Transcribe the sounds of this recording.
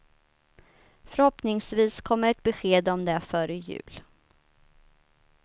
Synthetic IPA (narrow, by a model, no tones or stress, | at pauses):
fœɾhɔpnɪŋsviːskʰɔmːəɾɛt̪̚bɛɧeːd̪ɔmd̪ɛfœɾəjʉ̟̰ːl